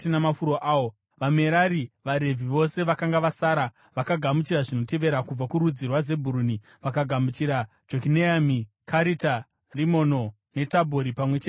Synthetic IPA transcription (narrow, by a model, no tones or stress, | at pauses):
tinamafuɾoʔaːo | ʋame̞ɾaɾiʋaɾe̞vʱiʋo̞se̞ʋakaŋɡaʋasaːɾa | ʋakaɡʱamut͡ʃiɾaʐino̞te̞ʋe̞ɾakub͡vakuɾud͡zirwaze̞bʱuɾuni | ʋakaɡʱamut͡ʃiɾa | d͡ʒokineami | kʰaɾita | rimo̞no̞ | ne̞tabʱoɾipamwe̞t͡ʃe